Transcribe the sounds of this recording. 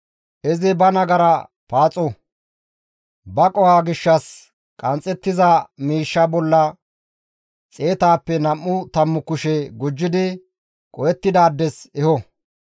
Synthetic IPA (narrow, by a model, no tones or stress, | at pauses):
ʔɛzɪbɐnɐɡɐɾɐ | paːt͡sʼɔ | bɐkʼɔhaːɡɪʃːɐs | kʼɐnt͡sʼːɛt̪ːɪzɐmiːʃːɐbɔlːɐ | t͡sʼe̞ːt̪aːpːɛnɐmːʊt̪ɐmːʊkʊʃɛɡʊd͡ʒːɪd̪ɪ | kʼɔjɛt̪ːɪd̪aːd̪ːɛsɛhɔ